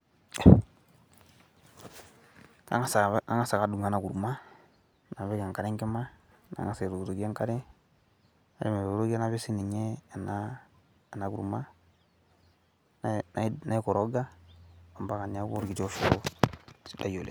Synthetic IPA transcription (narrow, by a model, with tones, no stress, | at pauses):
ka̰˦ŋa˦sa˨a̰˦ŋa˦sa˨ka˨du˨ŋa˨na˨ku˨ɾu˨ma˦ | na˨be˦ɡa˨ŋka˨ɾɛ˦ŋkɛ˦ma˦ | na̰˨ŋa˨sa˨ɾo˨ɡto˨ɡi˦a˦ŋka˦ɾɛ˦ | a˦ɾe˦me˨βo˨˦ɾo˦ɡe˦na˨˦βe˦si˦ni˨ɲe˦˨na | a˨na˨kṵ˨ɾu˨ma˦ | nnna˦i˦ko˨ɾo˦ɡa˦a˨mba˦ka˨n˨a˦ko˦ɾɡi˨t͡ʃo˦ʃo˦o˦sda̰˨jo˨lḛ˨